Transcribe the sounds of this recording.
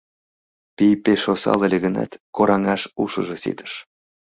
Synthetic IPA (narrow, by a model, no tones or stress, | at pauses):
pʲijpeʃosɑ̰lˠə̆lʲeɣə̆nɑ̰t̪koɾɑŋɑʃuʃɤ̆ʒɤ̆sḭt̪ə̥̆ʃ